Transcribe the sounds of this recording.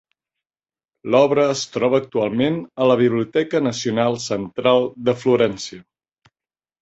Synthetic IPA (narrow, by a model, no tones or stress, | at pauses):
lɔβɾəːst̪ɾɔβəːk̚t̪ualˠmenələβ̞iβliut̪ɛkənəsiunalˠsənt̪ɾalˠd̪əfluɾɛnsiə